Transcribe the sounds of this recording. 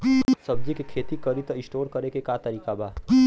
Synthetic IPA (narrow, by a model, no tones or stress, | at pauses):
sɐb̚d͡ʒikekʰeːt̪ikɐɾɪt̪ɪsʈoːɾkɐɾekekat̪ɐɾiːkabaː